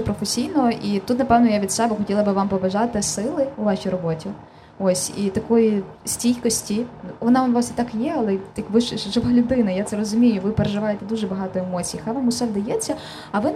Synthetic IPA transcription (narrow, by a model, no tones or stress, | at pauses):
ɛpɾɔfesʲijnɔʔit̪ut̪nɐpɛwnɔjaʋʲid̪sɛbɛxɔtʲilˠɐbɨʋɑmpɔbɐʒɑt̪ɪsɪlˠɪʊʋɑɕʲijɾɔbɔtʲi | osʲit̪ɐkɔjisʲtʲijkɔsʲtʲiʋɔnɑʋɑsit̪ɑkjɛɐlˠɛjɐkʋɪʃʒɪʋalʲʊd̪ɪnɐjat̪sɛɾɔzʊmʲijʊʋɪpeɾeʒɪʋɑjet̪ɛd̪uʒɛbɐɦɑt̪ɔemɔt͡sʲijixajʋɑmʊsɛwd̪ɐjɛt͡sʲːɐ | ɐʋɪ